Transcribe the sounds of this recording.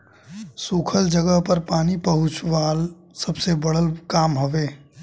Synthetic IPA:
sukʰəld͡ʒəɡəɦpəɾpaːnipɐɦʊt͡ʃʋaːl | sɐbsebɐɽəlkaːmɦoʋeː

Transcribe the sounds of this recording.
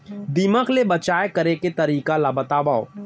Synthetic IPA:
d̪iməkʰlebɐt͡ʃaːekɐɾeket̪ɐɾiːkalabət̪aːbao

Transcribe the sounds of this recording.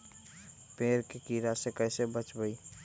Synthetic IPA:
peːɾkekiːɾasekəɪsebət͡ʃbəi

